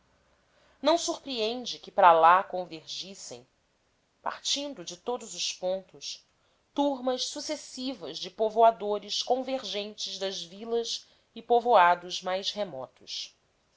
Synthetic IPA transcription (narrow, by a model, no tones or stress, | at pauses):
nɐ̃w̃suɾpɾiẽnd͡ʒɪkɪpɾalakõveɾʒisḛ̃j̃ | pa̰ɾt͡ʃĩnd̪ʊd͡ʒɪt̪od̪ʊzʊspõnt̪ʊs | t̪uɾmɐʃsusesivɐzd͡ʒɪpovoad̪oɾɪʃkõveɾʒẽnt͡ʃɪzd̪ɐzvilɐs | ɪpovoad̪ʊzmajʃhemɔt̪ʊs